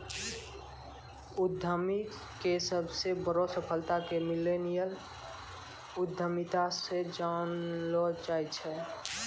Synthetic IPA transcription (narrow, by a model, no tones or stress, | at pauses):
ʊd̪ʱəmi | kesəbʱsebəɾosəpʰəlt̪akemɪlenijəl | ʊd̪ʱːəmit̪ased͡ʒanlɔd͡ʒaːjt͡ʃʰɛ